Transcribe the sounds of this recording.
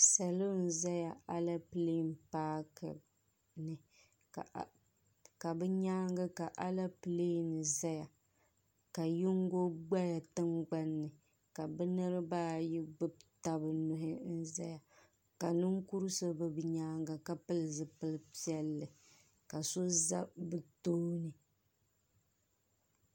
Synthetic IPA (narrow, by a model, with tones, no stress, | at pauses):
sa˨lo˦n̩˦za˦ja˨a˦la˦pɨ˨le˦mpaː˦kɨ̰˨ | nɨ˨ | ka˨bɛ˦ɲaː˦ŋɡa˦ka˨ʔa˦la˦pɨ˨le˦nɨ˨za˦ja˨ | ka˨jʊ˦ŋɡo˦ɡ͡ba˦ja˨tɨ˦ŋɡ͡ba˦nːɨ˨ | ka˨bɨ˦nɨ˦ɾɨ˦baː˦ji˦ɡ͡bɨ˦bta˦bɨ˨nʊ˨ɦɪ˦n̩˦za˦ja˨ | ka˨nɨ˦ŋku˦ɾɨ˦so˦bɨ˦bɨ˨ɲaː˦ŋɡa˨ka˦pɨ˦lɨ˨zɨ˨pɨ˦lɨ˦pi˦ɛ˦lːɨ˨ | ka˨so˦za˦bɨ˨toː˦nɨ˨